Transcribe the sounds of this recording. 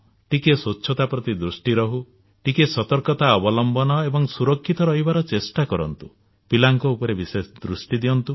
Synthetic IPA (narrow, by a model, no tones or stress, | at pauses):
ʈikesotːt͡ʃʰɔt̪apɾɔt̪id̪ɾusʈiɾɔɦu | ʈikesɔt̪ɔɾkɔt̪aɔbɔlɔmbɔnɔebɔŋsuɾɔkʰːit̪ɔɾɔɦibaɾɔt͡ʃesʈakɔɾɔ̰nt̪u | pilaŋkɔupɔɾebisesd̪ɾusʈid̪iɔnt̪u